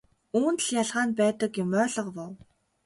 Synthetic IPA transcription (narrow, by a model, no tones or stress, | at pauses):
uːnt̪̆ɮjaɮʁaːnpæːt̪ə̆kjʊmœːɮə̆qpɔw